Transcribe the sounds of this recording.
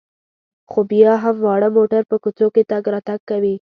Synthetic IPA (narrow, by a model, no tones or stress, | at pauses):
xobjɑɦamwɑɽəmoʈaɾpəkut͡soket̪aɡɾɑt̪aɡ̚kːawi